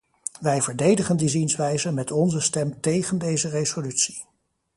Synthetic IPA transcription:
ʋɛjvəɹdejdəχəndizinsʋɛjzənmɛtɔnzəstɛmtejχəndejzərezolytsi̥

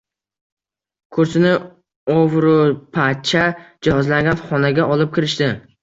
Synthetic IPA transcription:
kʰɵɾsɪnɪ | ɒvɾʊpʰat͡ʃʰad͡ʒahɒzlaŋɡʲanχɒnaɡʲaʔɒlɪp̚kʲɪɾɪʃt̪ɪ

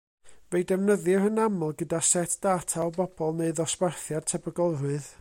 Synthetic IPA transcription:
vejdɛvnəðɨrənamlˠɡədasɛtʰd̥aːtʰalˠbɔbɔlˠneɨðɔsbɛrθjad̥tʰɛbəɡɔlˠɾɨð

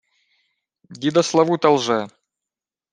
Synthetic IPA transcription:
d̪ʲid̪ɐslˠɐvut̪ɐlˠʐɛ

